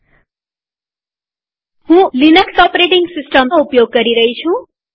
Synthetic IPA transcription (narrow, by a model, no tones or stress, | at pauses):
hũlinʌksʌpɾeʈiŋɡsisʈʌmupjoɡ̚ːʌɾiɾʌɦit͡sʰũ